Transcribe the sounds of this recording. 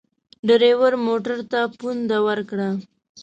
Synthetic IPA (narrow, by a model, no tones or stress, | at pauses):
ɖəɾewəɾmoʈaɾt̪apund̪awəɾkɽa